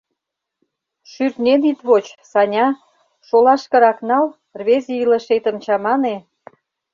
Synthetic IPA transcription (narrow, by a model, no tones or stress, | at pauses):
ʃyrt̪nenit̪βot͡ɕsɑnʲɑ | ʃolɑʃkɤ̆ɾɑknɑl | rβezeilə̆ʃet̪ə̆mt͡ɕɑmɑne